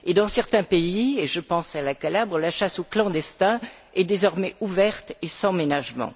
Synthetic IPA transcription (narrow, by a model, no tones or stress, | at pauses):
ed̪ɑ̃sɛʁt̪ɛ̃peieʒəpɑ̃salakalabʁəlaʃasoklɑ̃d̪ɛst̪ɛ̃ | ɛd̪ezɔʁmɛuvɛʁt̪esɑ̃menaʒmɑ̰̃